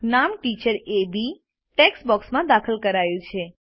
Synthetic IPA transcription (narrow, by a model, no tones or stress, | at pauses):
namʈit͡ʃəɾebi | ʈeksbɔksmãd̪akʰəlkəɾajũt͡ʃʰe